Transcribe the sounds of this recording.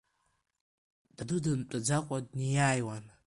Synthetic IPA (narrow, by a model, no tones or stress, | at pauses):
d̥adɨdɨmtʼɨd͡zaqʷʼadnijaːjwan